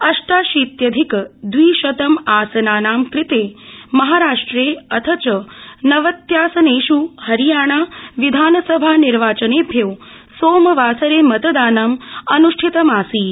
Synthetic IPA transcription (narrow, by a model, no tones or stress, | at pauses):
ɐʂʈaːʃiːt̪jɐd̪ʱikd̪ʋiːʃɐt̪ɐmaːsɐnaːnaːmkɾɪt̪eːmɐɦaːɾaːʂʈɾeːɐt̪ʰɐt͡ʃɐnɐʋɐt̪jaːsɐneːʃuhɐɾijaːɳ̃aːʋid̪ʱaːnɐsɐbʱaːniɾʋaːt͡ʃɐneːbʱjew | soːmɐʋaːsɐɾeːmɐt̪ɐd̪aːnɐmɐnuʂʈʰit̪ɐmaːsiː